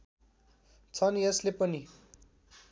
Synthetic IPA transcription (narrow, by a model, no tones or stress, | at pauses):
t͡sʰʌniʌslepʌni